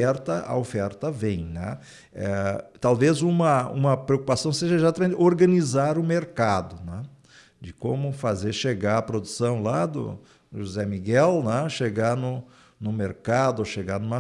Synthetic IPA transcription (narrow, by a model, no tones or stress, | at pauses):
ɛɾt̪ɐɐ̰ofɛɾt̪ɐvẽj̃nɛ̰̃ | ɛt̪awvezũmɐṵ̃mɐpɾeokupasɐ̃w̃seʒɐezat̪amẽnt͡ʃɪoɾɡɐ̃nizaɾʊmeɾkad̪ʊnɛ̃ | d͡ʒɪkõmʊfazeɾʃeɡaɾɐpɾod̪usɐ̃w̃lad̪ʊ̰ | ʒuzɛmiɡɛlnɛ̃ʃeɡanʊ | nʊmeɾkad̪ʊoʃeɡaɾnũmɐ